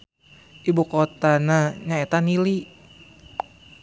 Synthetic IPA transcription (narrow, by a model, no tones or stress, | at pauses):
ʔibukot̪anaɲaet̪anili